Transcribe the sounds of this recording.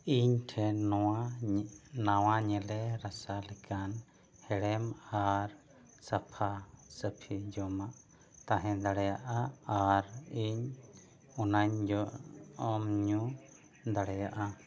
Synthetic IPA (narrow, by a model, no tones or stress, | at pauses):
iɲʈʰɛnɔwa | nawaɲɛlɛɾasalɛkan | hɛɽɛmaɾ | sapʰasəpʰid͡ʒɔmaʔ | t̪aɦɛ̃d̪aɽɛjaʔaaɾiɲ | unaɲd͡ʒɔɔmɲu | d̪aɽɛjaʔa